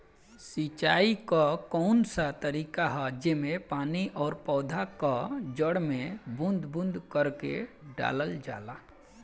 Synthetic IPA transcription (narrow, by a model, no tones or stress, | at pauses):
sit͡ʃaːikakɔʊnsat̪əɾiːkaɦad͡ʒemepaːniʔɔːɾpɔːd̪ʱakad͡ʒəɽmebʊ̃nd̪ʱbʊ̃nd̪ʱkəɾkḛɖa̰ləld͡ʒa̰ːla